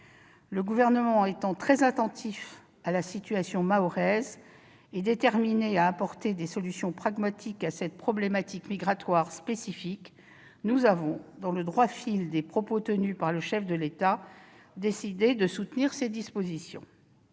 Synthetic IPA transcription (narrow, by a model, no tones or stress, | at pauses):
ləɡuvɛʁnəmɑ̃et̪ɑ̃t̪χɛzat̪ɑ̃t̪ʰif | alasit̪yasjɔ̃maɔʁɛz | ed̪et̪ɛʁmineaːpɔʁt̪ed̪esɔlysjɔ̃pχaɡmat̪ʰikasɛt̪̚pχɔblemat̪ʰikmiɡʁat̪waʁspesifik | nuzavɔ̃d̪ɑ̃ləd̪ʁwafild̪epχɔpot̪ənypaʁləʃɛfd̪əlet̪a | d̪esid̪ed̪əsut̪niʁsed̪ispozisjɔ̰̃